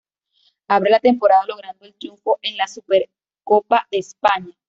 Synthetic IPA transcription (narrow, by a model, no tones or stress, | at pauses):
aβɾelat̪e̞mpoɾaðalo̞ɣ̞ɾand̪oelt̪ɾjuɱfo̞ʔe̞nlasupeɾ | ko̞paðeːspaɲa